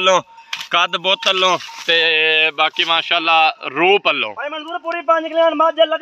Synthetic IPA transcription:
lːõːkəd̪bɔːt̪əlːõːt̪eːbaːkiːmaːʃaːlːaːɾuːpəlːõ̰ːɾeːmənsuːɾpuːɾiːpãd͡ʒkəlẽnmãːd͡ʒaːləɡ

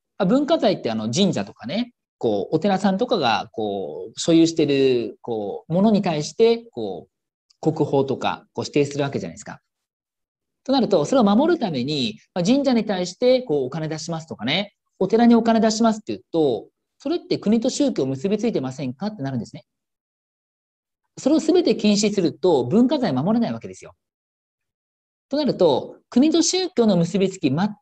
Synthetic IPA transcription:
abɯ̟̃ŋkazait̪ːe̞ano̞d͡ʑĩɲ̟d͡ʑat̪o̞̥kane̞ | ko̞ːʔot̪e̞ɾasãnt̪o̞kaɡa̰ko̞ːɕo̞jɯːɕi̥t̪e̞ɾɯ̟koːmo̞no̞ɲ̟it̪aiɕi̥t̪e̞ko̞̰ː | ko̞kɯ̟ho̞ːt̪o̞ka̰ko̞ːɕi̥t̪e̞ːsɨɾɯ̟βake̞ʑa̰na̰sɨ̥ka̰ | t̪o̞naɾɯ̟t̪o̞so̞ɾe̞o̞mamo̞ɾɯ̟t̪ame̞ɲ̟imad͡ʑĩɲ̟d͡ʑaɲ̟it̪aiɕi̥t̪e̞ko̞ːkane̞d̪aɕimasɨ̥t̪o̞kane̞ | ot̪e̞ɾaɲ̟io̞kane̞d̪aɕimasɨ̥t̪ːejɯt̪o̞ | so̞ɾe̞t̪ːe̞kɯ̟ɲ̟it̪o̞ɕɨːkʲo̞ːmɯ̟sɨbʲit͡sɨit̪e̞masẽ̞ŋkat̪ːe̞naɾɯ̟nd̪esɨne | so̞ɾe̞osɨbe̞t̪e̞kʲĩɰ̃ɕ̬isɨɾɯ̟t̪o̞bɯ̟̃ŋkazaimamo̞ɾenaiβake̞d̪esɨjo̞̰ | t̪o̞naɾɯ̟t̪o̞kɯ̟ɲ̟it̪o̞ɕɨːkʲo̞ːno̞mɯ̟sɨbʲit͡sɨ̥kʲima

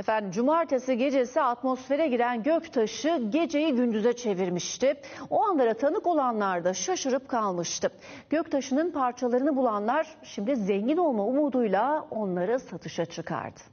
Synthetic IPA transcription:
efænd̪imd͡ʒumaɾt̪ʰasiɟe̞d͡ʒe̞siat̪mo̞sfe̞ɾɛɟiɾænɟøct̪ʰaʃɯɟe̞d͡ʒe̞jiɟynd̪yzɛt͡ʃʰe̞viɾmiʃt̪ɪ | oanlˠaɾat̪ʰanɯko̞lˠanlˠaɾd̪aʃaʃɯɾɯp̚kʰalˠmɯʃt̪ʰɯ | ɟ̥øct̪ʰaʃɯnɯnpʰaɾt͡ʃʰalˠaɾɯnɯbulˠanlˠaɾ̥ʃimd̪izeɲɟino̞lˠmaumuːd̪ujlˠao̞nlˠaɾɯsat̪ʰɯʃat͡ʃʰɯkʰa̰ɾd̪̥ɯ̥

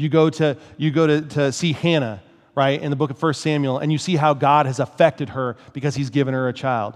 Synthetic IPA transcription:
jɨɡoʊɾɨjɨɡoʊɾɨtʰɨsihæ̃ñɨ | ɹaɪɾɨ̰̃nðəbʊkʌv̥fɜ˞stsæ̃mjl̩ˠɨ̰̃njɨsiɦaʊɡɑɾ̚ɨzəfɛk̚tɨd̚ə˞b̥ɨkʌz̥izɡɪvɨ̃nə˞ɨt͡ʃʰaɪlˠd̥̚

